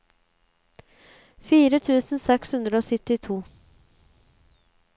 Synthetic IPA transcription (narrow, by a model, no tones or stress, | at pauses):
fiːɾət̪ʰʉːsənsɛkshʉnd̪ɾəoːsɪt̪ːɪt̪ʰuː